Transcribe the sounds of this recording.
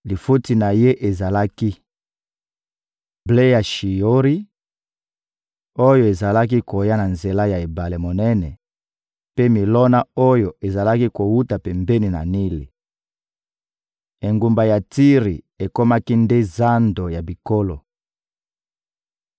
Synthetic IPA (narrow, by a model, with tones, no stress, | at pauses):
li˨fu˦ti˨na˨je˦ʔe˨za˨la˦ki˦ | ble˦ja˨ʃi˨o˦ʁi˦ | o˦jo˨e˨za˨la˦k̬i˦ko˨ja˦na˨nze˨la˦ja˨e˨ba˨le˨mo˨nɛ˦nɛ˨ | pe˦mi˨lɔ˦na˦o˦jo˨e˨za˨la˦ki˦ko˨wu˦ta˨pɛ˨mbe˦ni˨na̰˨ni˦li˨ | e˨ŋɡu˨mba˨ja˨ti˦ʁi˨ | e˨ko˦ma˦ki˦nde˦za˦ndo˨ja˨bi˨ko˦lo˨